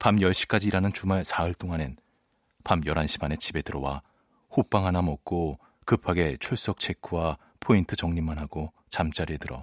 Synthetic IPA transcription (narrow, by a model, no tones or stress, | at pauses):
pamjʌɭɕ͈i̥k͈ad͡ʑiːɾanɯnt͡ɕumaɭsʰaʌɭt͈oŋanen | pamjʌɾanɕʰi̥manet͡ɕibe̞dɯɾʌwa | hop͈aŋɦanamʌk̚k͈o | kɯpʰaɡe̞t͡ɕʰuɭs͈ʌk̚t͡ɕʰe̞kʰuwa | pʰointʰɯt͡ɕʌŋɲimːanɦaɡo | t͡ɕamt͡ɕ͈aɾiedɯɾʌ̰